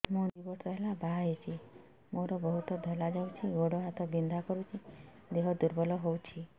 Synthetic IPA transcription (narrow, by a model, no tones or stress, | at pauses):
mũd̪ibɔsɔɦelabʱaɦet͡ʃʰi | moɾɔbɔɦut̪ɔd̪ʱɔlad͡ʒawt͡ʃʰiɡoɽɔɦat̪ʰɔbind̪ʱakɔɾut͡ʃʰi | d̪eɦɔd̪uɾbɔlɔɦowt͡ʃʰi